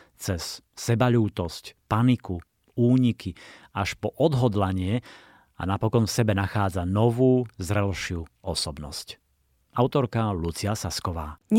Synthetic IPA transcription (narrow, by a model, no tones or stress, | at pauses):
t͡sɛsː | ɛbaʎuːt̪ɔscpaniku | uːɲikʰiaʃpɔʔɔd̪ɦɔd̪laɲɪɛ | a̰napɔkɔnfsɛbɛnaxaːd͡zanɔʋuːzɾɛlʃɪuːɔsɔbnɔ̰sc | aʊt̪ɔɾkalut͡siasaskɔʋaː